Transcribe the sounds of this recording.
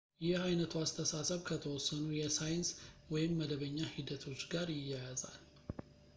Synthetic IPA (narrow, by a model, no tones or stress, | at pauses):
jɪhajnət̪ʰuast̪ʰəsasəβkʰət̪ʰəwɔsːənujɛsajɪnswɔjɪmːəd̪əβəɲːahid̪ət̪ʰo̞t͡ʃːɡaɾjɪjːajaza̰l